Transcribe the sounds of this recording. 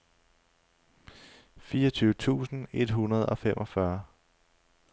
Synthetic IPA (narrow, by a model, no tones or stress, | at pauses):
fiːɐʌt͡sʰyːʊət͡sʰṵːsn̩e̝d̥ɦunɐð̞̩ˠɒ̽femʔɒ̽fɶɐ